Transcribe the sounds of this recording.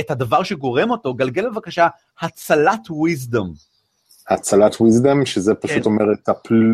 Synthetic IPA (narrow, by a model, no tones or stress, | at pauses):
ethad̪avaʁʃeɡo̞ʁe̞mo̞to̞ɡalɡe̞lbevakaʃa | hat͡salatwizd̪am | hat͡salatʰwizd̪amʃezepaʃut̪o̞meʁet̪apl